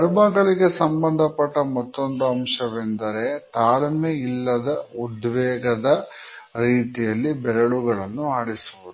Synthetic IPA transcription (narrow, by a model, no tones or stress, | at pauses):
ɐɾbaːɡɐɭiɡe̞sɐmbɐnd̪ʱɐpːɐʈːɐmɐt̪ːo̞nd̪uɐmʂɐʋend̪ɐɾe̞t̪aːlɐmeilːɐd̪ɐud̪ʋɛːɡɐd̪ɐ | ɾiːt̪ijɐlːibɛlɐɭuɡɐɭɐnːuaːɽisuʋud̪u